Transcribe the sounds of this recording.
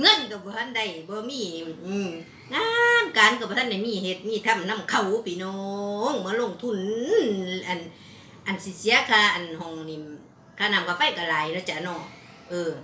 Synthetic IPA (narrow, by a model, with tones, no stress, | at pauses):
ŋɤ˧˨nːi˧ka˧˩wbɔː˧hʰa˧˥˨nda˧˨jbɔː˧˦miː˧˥˨ | ŋaː˧˨nkaː˨˦nka˧˩bɔː˧a˧˥˨da˧˩jmiː˧˨he˧˦t̪̚miː˧˥˨t̪ʰa˧˥˨mna˧˥˨mkʰa˧˩wpiː˨˦nɔ˧˦˥ŋmɯ˧˦˨lo˧˨ŋt̪ʰu˧˩˨n˨ | ʔa˨n | ʔa˨nsi˧si˧˦a˧˨kʰaː˧˩ʔa˨nhɔ˨˧˨ŋni˧˨ | kʰaː˧˩˨na˧˩˨mkʰa˧˩fa˧˨jka˨˧laː˨˦jnɔ˧˦˨t͡ɕa˧˨nɔ˧˩˨ | ʔɯː˧˩